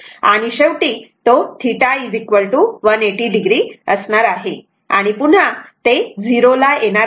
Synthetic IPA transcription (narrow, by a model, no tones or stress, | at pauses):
a̰ɽ̃iɕeʋʈiːt̪ot̪ʰiʈaid͡zikʋəɭʈuʋəneʈiːɖiɡɾiəsɳaɾaɦe | a̰ɽ̃ipuɳ̤at̪ed͡ziɾolajenaɾ